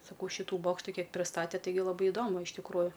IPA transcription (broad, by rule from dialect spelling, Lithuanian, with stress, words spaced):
sɐˈkɐʊ ˈʃʲiːtʊ ˈboːkʃtʊ ˈkʲiɛk pʲrʲɪˈstɑːtʲɛ ˈtɐɪɡʲɪ lˠɐˈbɐɪ ɪˈdoːmʊ ɪʃ tʲɪkˈruːjʊ